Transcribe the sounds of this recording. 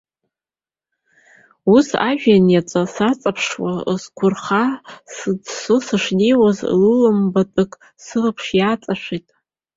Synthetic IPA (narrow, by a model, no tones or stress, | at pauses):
usa̰ʒᶣanjat͡sʼasat͡sʼapʰʂwa̰zkʷʰʊrχasɨdsɨsɨʂnijwazlɨlɨmbatʼɨkʼ | sɨlɨpʰʂjat͡sʼaʃᶣʷitʼ